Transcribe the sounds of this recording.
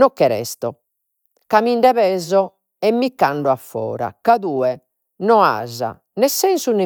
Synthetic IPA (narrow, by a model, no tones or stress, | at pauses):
nɔkːɛɾɛ̰st̪ɔ | kamiɳɖɛβɛːzɔ | ɛmːikːaɳɖɔafːɔ̰ːɾa̰kaðuːɛ | nɔa̰za̰ | nɛsːɛnsuni